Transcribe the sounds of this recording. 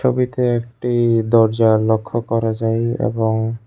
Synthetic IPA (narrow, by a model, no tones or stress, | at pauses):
obit̪eɛk̚ʈid̪ɔɾd͡ʑalokʰːokɔɾad͡ʑajḛboŋ